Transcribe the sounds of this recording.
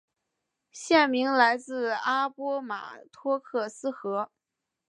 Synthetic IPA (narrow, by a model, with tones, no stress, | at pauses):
ɕjɛ˥˩nmi˧˥ŋla˧˥ɪt͡sɹ̩˥˧a˥pwɔ˥ma̰˨˩t̪ʰwɔ˥kʰɤ˥˩sɹ̩˥xɤ˧˥